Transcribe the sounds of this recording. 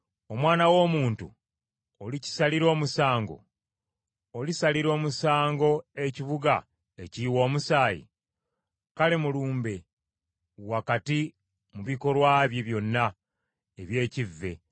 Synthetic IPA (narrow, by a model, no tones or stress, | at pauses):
o̞mwaːnawo̞ːmuːntṵ | olici̥saliɾo̞ːmusaːŋɡo̞̰ | olisaliɾo̞ːmusaːŋɡo̞e̞ciβuɡa̰ | e̞ciwo̞ːmusaːjḭ | kale̞muluːmbe̞ | wakati | muβiko̞lwaːβjeβjo̞nːa | eβje̞ːcivːe̞̰